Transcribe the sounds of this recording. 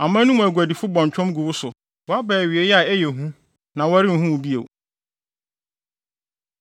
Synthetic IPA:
a˨mãː˦nũ˦m̃˨æ˨ɡʷu˨æ˨di˨fʊ˦bɔ̃˨ɲ˨t͡ɕᶣʰʊ̃˦mɡu˨wʊ˦sʊ˨ | wɔ˨a˦bɛː˨ɥɪ˨e˦jɛ˦a˨ɛ˦jɛ˨ɦũ˦ | nã˨wa˦ɾɪ˦n̩˨ɦũ˦wʊ˨bi˦ḛ˨w

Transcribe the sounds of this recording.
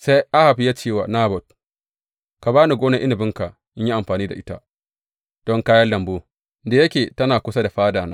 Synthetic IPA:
sa˦jʔa˦ha˨ɸi˦ja˦t͡ʃeː˦˨wa̰˨naː˦bɔ˨t̚ | ka˨baː˦nu˨ɡoː˦na˦˨ʔɪ˦ni˨bɪ˦ŋka˨ | ʔɪ˦ɲji˦ʔa˨mɸaː˨niː˦da̰˨ʔɪ˦ta̰˦ | d̥ɔ˦ŋkaː˦jɐ˦lːɐ˨mboː˦ | da˨jɐ˦kʲeː˨tɐ˦naː˨kʷʊ˦sa˦da˨ɸaː˦daː˨na̰˦

